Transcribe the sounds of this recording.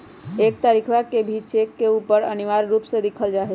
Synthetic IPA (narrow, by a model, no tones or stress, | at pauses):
ek̚t̪aɾikʰʋakebʱit͡ʃekːeupəɾəniʋaɾɾupsẽd̪ikʰəld͡ʒaɦɛ